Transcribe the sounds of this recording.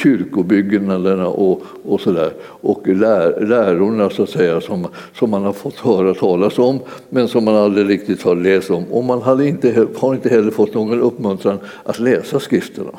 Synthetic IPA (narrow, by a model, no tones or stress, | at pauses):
ɕʏɾkʊbʏɡnad̪əɳa̰ʔɔ | ɔsɔd̪æ̰ːɾ | ʔɔklæːlæːɾʊɳasʊat̪sɛjːasɔmsɔmːanhaɾfɔt̪ːhœːɾat̪ʰɑːlasɔmːɛnsɔmːanald̪ɾɪɾɪk̚t̪ɪt̪haɾlɛːst̪ɔmɔmːanɦad̪əɪnt̪əhaɾɪnt̪əɦɛlːəɾfɔt̪ːnoːɡɔnɵpːmɵnt̪ʰɾaŋ | ʔat̪lɛːsaskɾɪft̪əɳa̰